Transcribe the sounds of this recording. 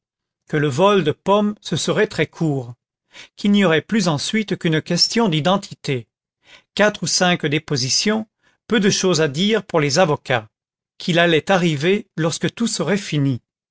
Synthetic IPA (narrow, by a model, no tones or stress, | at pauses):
kələvɔld̪əpɔmsəsəʁɛt̪χɛkʰuːʁ | kilniɔʁɛplyzɑ̃sɥit̪kynkʲɛst̪jɔ̃d̪id̪ɑ̃t̪ʰit̪e | kat̪χusɛ̃kd̪epozisjɔ̃ | pød̪əʃozad̪iʁpuʁlezavɔka | kʰʲilalɛt̪aʁivelɔʁskət̪usəʁɛfini